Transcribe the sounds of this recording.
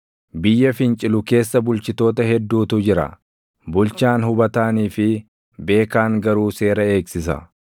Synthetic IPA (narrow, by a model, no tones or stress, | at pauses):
bɪjːɐfɪnt͡ʃʼɪlʊke̞ːsːɐbʊlt͡ʃɪt̪o̞ːt̪ɐɦɛd̪ːuːt̪ʊd͡ʒɪɾɐ̰ | bʊlt͡ʃaːnɦʊbɐt̪aːniːfɪ | be̞ːkaːŋɡɐɾuːse̞ːɾɐe̞ːksɪsɐ̰